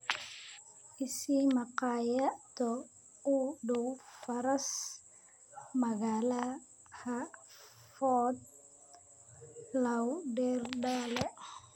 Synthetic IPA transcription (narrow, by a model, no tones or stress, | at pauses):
ʔɪsiːmɐqɑːjat̪ɔ | uːɖɔwfɐɾɐs | mɐɣaːlɐ | hɐ | fɔd̪̚ | lɐwɖɛːrɖaːlɛ